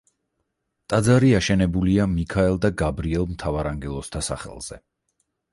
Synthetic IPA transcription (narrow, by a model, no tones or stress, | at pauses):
t̪ʼad̪zaɾiaʃɛnɛbuliamikʰaɛlˠd̪aɡabɾiɛlˠmt̪ʰavaɾaŋɡɛlˠɔst̪ʰasa̰χɛ̰lˠz̥ɛ